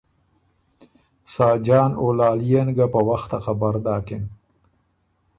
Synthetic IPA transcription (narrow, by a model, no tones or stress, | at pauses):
sɑːd͡ʒɑːnolɑːlijenɡapəwaxt̪axabaɾd̪ɑːkɪn